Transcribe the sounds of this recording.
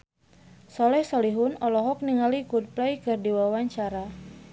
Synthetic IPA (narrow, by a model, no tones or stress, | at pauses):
sɔlɛhsɔliɦʊnɔlɔɦɔk̚niŋalikut̪̚plajkɨrdiwawaɲt͡ʃaɾa